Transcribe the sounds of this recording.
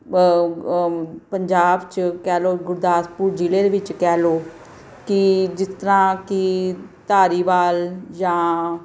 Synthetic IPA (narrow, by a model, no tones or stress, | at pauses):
pəɲd͡ʒaːbt͡ʃkɛːloːɡʊɾd̪aːspuːɾd͡ʒiːleːd̪eːʋɪt͡ʃkɛːloː | kɪd͡ʒɪst̪əɾãːkɪt̪aːɾiːʋaːld͡ʒãː